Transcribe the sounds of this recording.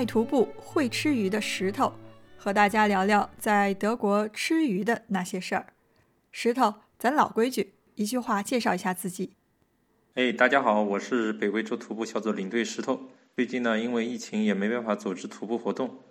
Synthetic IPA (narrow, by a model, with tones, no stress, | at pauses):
a˥˩ɪt̪ʰu˧˥pu˥˩xwe˥˩ɪʈ͡ʂʰɻ̩˥y˧˥d̪ə˧ʂɻ̩˧˥t̪ʰo˨˩ʊxɤ˧˥t̪a˥˩t͡ɕja˥ljɑ˧˥ljɑ˥˧ʊt͡sa˥˩ɪt̪ɤ˧˥kwɔ˧˥ʈ͡ʂʰɻɻ̩˥y˧˥d̪ə˧na˥˩ɕjɛ˥ʂə˞˥˩ | ʂɻ̩˧˥t̪ʰo˧˩ʊ | t͡sa˧˥nlɑ˨˩ʊkwe˥ɪt͡ɕy˥˩ | i˧˥t͡ɕy˥˧xwa˥˧t͡ɕjɛ˥˧ʂɑ˥˩ʊi˧˥ɕja˥˧t͡sɹ̩˥˩t͡ɕi˨˩˦ | e˥˧ɪt̪a˥˩t͡ɕja˥xɑ˨˩˦ʊwɔ˨˩ʂɻ̩˥˩pe˨˩ɪwe˥˩ɪʈ͡ʂo˥˩ʊt̪ʰu˧˥pu˥˧ɕjɑ˥˩ʊt͡swɔ˧˩li˨˩ŋt̪we˥˩ɪʂɻ̩˧˥t̪ʰo˨˩˦ʊt͡si˥˧t͡ɕi˥˩ŋnə˩i˥nwe˥˧ɪi˥˩t͡ɕʰi˧˥ŋjɛ˨˩me˧˥ɪpa˥˩nfa˧˥t͡su˨˩ʈ͡ʂɻ̩˥t̪ʰu˧˥pu˥˩xwɔ˧˥t̪ʊ˥˩ŋ